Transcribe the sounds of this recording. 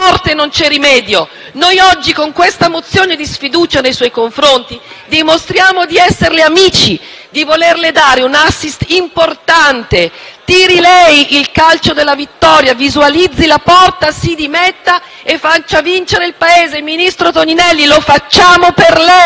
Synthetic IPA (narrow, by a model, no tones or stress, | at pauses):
ɔrt̪enont͡ʃɛrːimɛːd̪jo | nojɔd͡ʒːikoŋkwest̪amot̪sːjoːned̪isfid̪uːt͡ʃanejswɔjkoɱfɾont̪id̪imost̪ɾjaːmod̪iɛsːerleamiːt͡ʃi | d̪ivolerled̪aːɾeunasːist̪import̪ant̪et̪iːɾilɛjilkalt͡ʃod̪elːavit̪ːɔːɾjavizualid̪zːilapɔrt̪asid̪imɛt̪ːa | efat͡ʃːavint͡ʃeɾeilpaeːzeminist̪ɾot̪oninɛlːilofat͡ʃːaːmoperlɛ